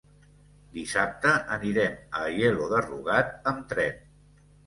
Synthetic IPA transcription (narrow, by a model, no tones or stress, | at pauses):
d̪isap̚t̪əʔəniɾɛməjeluðərṵɣat̪̚əmt̪ɾɛn